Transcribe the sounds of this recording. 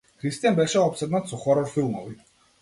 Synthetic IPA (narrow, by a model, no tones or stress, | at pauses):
kʰɾist̪ʼijanbɛɾʃɛɔpsɛd̪nansʰɔχɔɾɔɾfilˠmɔvi